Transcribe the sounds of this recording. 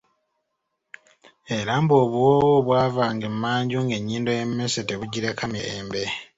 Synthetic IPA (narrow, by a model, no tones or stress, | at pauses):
eɾamboːβuwowoβwaːvaːŋɡemumaːɲɟuːŋɡe̞ɲːiːndojemmeseteβuɟiɾekameɾeːmbe̞